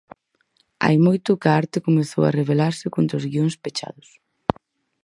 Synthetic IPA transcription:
a̰jmojt̪ʊkaaɾt̪ɪkomeθo̰wɐ̰reβelaɾsɪkont̪ɾozɣioŋspet͡ʃa̰ðʊs

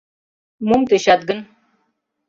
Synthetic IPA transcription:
mumt̪eɕat̪̚ɡən

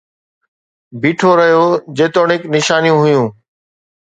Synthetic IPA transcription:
biːʈʰoɾəɦijoːd͡ʑeːt̪oːɳɪknɪʃaːnijũːɦʊjũː

